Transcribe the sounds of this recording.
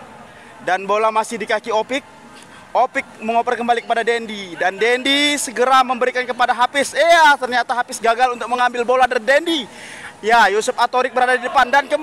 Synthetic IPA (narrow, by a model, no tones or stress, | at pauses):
danbolamasɪhdikakiopɪk̚ | opɪk̚məŋopərkəmbalikəpadadɛndidandɛndisəɡəɾaməmbəɾikankəp̬adaɦapɪsiat̪ərɲat̪aɦapɪsɡaɡalunt̪ʊk̚məŋambɪlboladadɛndi | jajusʊpat̪oɾɪk̚bəɾadadidəpandankəm